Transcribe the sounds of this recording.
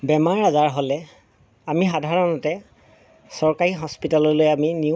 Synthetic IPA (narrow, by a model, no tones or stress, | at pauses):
bɛmaɹazaɹɦolɛ | amixadʱaɹɔnɔtɛ | sɔɹkaɹiɦɔspitalɔɹlojamini